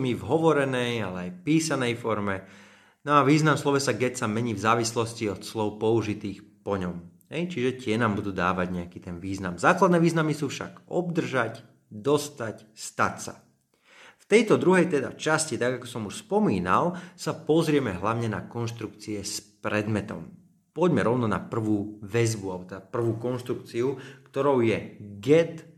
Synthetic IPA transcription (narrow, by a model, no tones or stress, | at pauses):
mivɦɔʋɔɾɛnɛjalɛajpiːsanɛjfɔɾmɛ | nɔaʋiːznamslɔʋɛsaɡɛcsamɛɲiːvzaːʋislɔsciɔt̪slɔʊpɔuʒit̪iːxpɔɲɔmɦɛjt͡ʃiʒɛcɪɛnaːmbud̪uːd̪a̰ːʋaɟɲɛakiːt̪ɛnʋiːznamzaːklad̪nɛːʋiːznamisuːfʃa̰ɡɔbd̪r̩ʒac | d̪ɔst̪acst̪atsa̰ | ft̪ɛjt̪ɔd̪ɾuɦɛjt̪ɛd̪a̰t͡ʃascit̪aɡakɔ̥sɔmuʃspɔmiːna̰lˠsapɔzɾɪɛmɛɦlaʊɲɛna̰kɔnʃt̪ɾukt͡siɛspɾɛd̪mɛt̪ɔ̰m | pɔɟmɛɾɔʊnɔna̰pr̩ʋuːʋɛzbualɛbɔt̪ɛd̪apr̩ʋuːkɔnʃt̪ɾukt͡siukt̪ɔɾɔʊjɛɡɛt̪